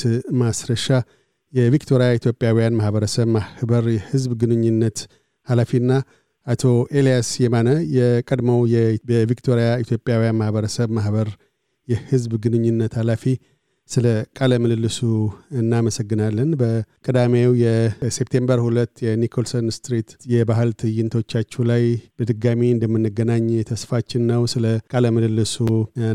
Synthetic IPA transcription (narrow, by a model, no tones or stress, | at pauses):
masɾəʃa | jɛvikt̪ʰo̞ɾijait̪jo̞pʼjawijanmahbəɾəsəβmahhbəɾjɛhɨzbɡɨnɨɲːɨnːət̪ | halafiɨnːa | ʔat̪ʰo̞ʔe̞lijasjɛmanəjɛkʼəd̪məwjɛɛvikt̪ʰo̞ɾjait̪ʰjo̞pʼjawijanmahβəɾəsəβmahβəɾ | jɛhɨzbɡɨnɨɲːɨnːət̪halafi | sɨləkʼaləmɨlɨlːɨsuɨnːaməsəɡːɨnalːənbəkʼɨd̪amewjɛsep̚t̪ʰe̞mbəɾhulət̪ːjɛnikʰolsonst̪ɾit̪jɛbaɦɨlt̪ʰɨjɨnt̪ʰo̞t͡ʃːat͡ʃːɛlajb̥əd̪ɨɡamiɨnd̪əmːɨnːɨɡənaɲːjɛt̪ʰəsfat͡ʃːɪnːəwsɨləkʼaləmɨlɨlːɨsu